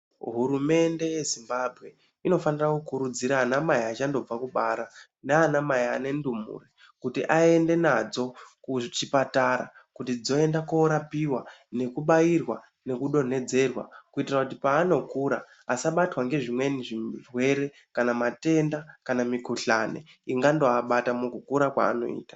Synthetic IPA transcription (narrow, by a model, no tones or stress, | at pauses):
ɦuɾume̞nde̞je̞zimbabʱɣe̞ | ino̞fanirakukuɾud͡ziɾaːnamajiat͡ʃando̞b͡vakuɓaɾa | neanamajia̰ne̞ndumṵːri | kutiʔaende̞nad͡zo̞kut͡ʃipataɾakutid͡zo̞e̞ndakoɾapiwane̞kuɓajirwa | ne̞kuɗo̞ne̞d͡ze̞rwa̰kuitirakutipaːno̞kuɾaː | saɓatwaŋɡe̞ʐimwe̞niʐirwe̞ɾe̞ | kanamate̞ndakanamikuɬane̞̰ | iŋɡando̞aɓatamukukuɾakwa̰ːno̞̰ḭːtḁ